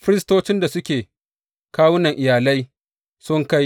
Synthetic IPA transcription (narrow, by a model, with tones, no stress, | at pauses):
fɪ˦ɾɪ˦stoː˦t͡ʃɪ˦nda˨sʊ˦kʲeː˨ | kaː˦wʊ˦nɐ˨ŋʔɪ˨jaː˨la˦j | sʊ˦ŋka˦j